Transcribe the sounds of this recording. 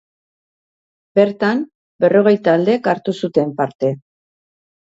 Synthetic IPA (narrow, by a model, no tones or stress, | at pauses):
be̞ɾt̪am | be̞ro̞ɣ̞e̞jt̪aːld̪e̞kaɾt̪usut̪e̞mpaɾt̪e̞